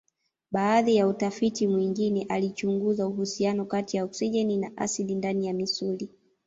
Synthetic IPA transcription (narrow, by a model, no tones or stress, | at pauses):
ɓaːðijautafitimwiŋɡinɛʔalit͡ʃuŋɡuzauɦusianɔkatijauksiʄɛninaʔa̰silindanijamisuli